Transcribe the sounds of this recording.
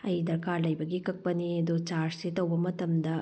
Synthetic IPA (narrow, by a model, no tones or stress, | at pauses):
ɐjd̪ɐkaːlɐjbɐɡikɐk̚bɐnied̪ut͡ʃaːɾset̪ɐwbɐmɐt̪ɐmd̪ɐ